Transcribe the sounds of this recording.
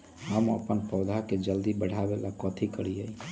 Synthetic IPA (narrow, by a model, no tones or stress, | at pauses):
ɦəmə̰pənpəʊd̪ʱaked͡ʒəld̪ibəɽ̤abelakɔt̪ʰikəɾiəj